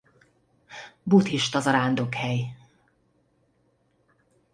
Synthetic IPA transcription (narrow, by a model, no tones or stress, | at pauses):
but̪hiʃt̪ɒzɒɾaːnd̪o̞khɛj